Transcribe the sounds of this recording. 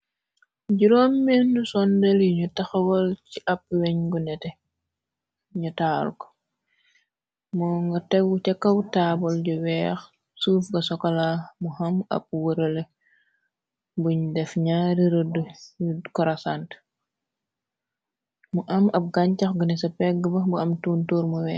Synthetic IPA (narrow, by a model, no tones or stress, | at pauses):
ɟiɾomːɛnːusɔndɛljiɲutɐxɐwɔlciʔɐp̚wɛɲɡunɛtɛ | ɲutaːlkɔ̥ | mɔŋɡɐtɛɡːut͡ʃɛkːɐwtabɔlɟɔwɛːx | sufɡɐsɔkɐlamuhɐmɐ̰p̚wəɾəle | buɲdɛfɲaɾiɾəddkɔɾasant | muʔɐmɐp̚ɡaɲcɐxɡunɛsɐpɛɡːəbɐbuɐmtuːntoːɾmuwɛː